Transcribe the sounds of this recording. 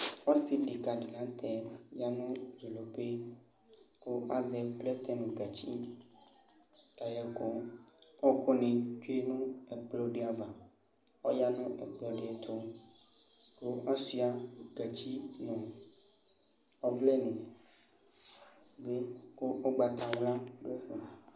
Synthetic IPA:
wɔ˦si˨ɖi˨ka˨ɖi˨lã˨˦t̪ʰɛ˨ja˦nũ˦vi˨lo˨pe˦ | ko˦ʔa˦zɛ˦plɛ˦t̪ɛ˦nũ˨ɡa˨t͡ɕi˦ | ka˨jɛ˨ko˦ɔ˦kɔ˦nẽ˨t͡ʃe˦nũ˦ɛ˨k͡plɔ˦ɖe˦a˨va˨ | ɔ˦ja˦nũ˦ʔɛ̰˨k͡plɔ˨ɖe˦ɛ˨t̪ʰo˦ | ko˦ʔa˦si˦a˨ɡ̥a˨t͡ɕi˦nɔ̃˨ | ɔ˦vlɛ˦nẽ˨ | be˦ko˦o˦ɡ͡ba˨t̪a˨wla˦ɖo˦xu˨

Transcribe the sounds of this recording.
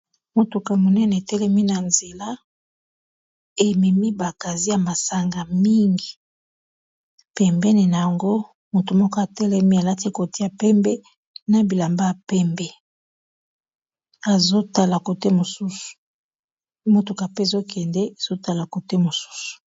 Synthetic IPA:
mo˨tu˨ka˨mo˨nɛ˦nɛ˨tɛ˦lɛ˦mi˦na˨nze˨la˦ | e˨mɛ˨mi˦ba˨ka˨zi˦ja˨ma˨sa˨ŋɡa˨mi˦ŋɡi˨ | pɛ˨mbɛ˦ne˨na˨ja˨ŋɡo˦ | mo˨tu˨mɔ˦ko˦a˨tɛ˦lɛ˦mi˦a˨la˦ti˦e˦ko˨ti˦a˨pɛ˦mbɛ˦ | na˨bi˨la˨mba˦a˨pɛ˦mbɛ˦ | a˨zo˦ta˦la˨ko˨te˦mo˨su˦su̥˨˦ | mo˨tu˨ka˨pe˦˨zo˦kʰɛ˨ndɛ˦e˨z̥o˦ta˦la˨ko˨te˦mo˨su̥˦su̥˨

